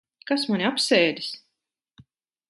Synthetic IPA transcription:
kasmanʲiapsɛːd̪ʲi̥s

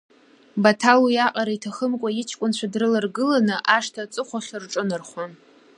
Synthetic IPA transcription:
batʰalwijaqʼaɾaitʰaχəmkʷʼaɪt͡ʃʰkʷʼʊnt͡ɕʷʰadrɨlarɡɨlanɨʔaʂtʰat͡sʼɨχʷaχʲarʈ͡ʂʼɨnɨrχʷa

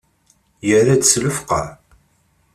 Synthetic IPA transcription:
jərad̪sləfqɑ̰

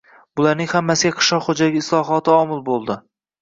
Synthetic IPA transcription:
bʊlaɾnɪŋhamːasɪɡʲaqʰɨ̥ʃɒqχod͡ʒaɡʲɪɪslˠɒɦɒt̪ʰɪɒmɪlˠbolˠd̪ɪ

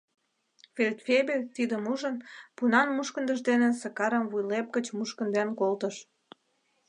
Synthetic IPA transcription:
fʲelʲt̪fʲebelʲt̪id̪əmuʒənpunɑnmuʃkənd̪əʒd̪enesəkɑɾəmβujlep̚ɡət͡ɕmuʃkə̆nd̪enkolt̪əʃ

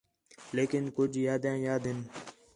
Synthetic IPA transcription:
leːkɪnkʊd͡ʒʱjaːd̪jãːjaːd̪ɦɪn

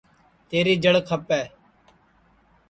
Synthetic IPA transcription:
t̪eːɾiːd͡ʒəɽkʰəpɛː

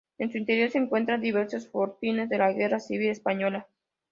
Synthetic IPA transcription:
e̞nsuint̪e̞ɾjo̞ɾseːŋkwe̞nt̪ɾand̪iβe̞ɾsosfo̞ɾt̪ine̞zðe̞laɣe̞rasiβile̞spaɲo̞la

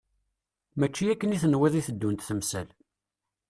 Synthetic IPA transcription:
mæt͡ʃːijækːəniθənwiðˤiθəd̪ːunt̪θəmsə̰l

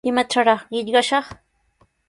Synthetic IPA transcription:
ɪmaʈ͡ʂaɾɑχɢɪʎɢɑʃɑχ

